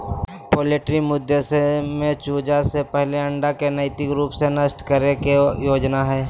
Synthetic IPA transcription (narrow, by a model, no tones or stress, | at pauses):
poːleːʈɾimʊd̪ʱːesemẽt͡ʃuːd͡ʒasepɛɦleɐ̃ɳɖakenəɪt̪ɪkɾuːpsenəʃʈkəɾekejoːd͡ʒnaɦɛː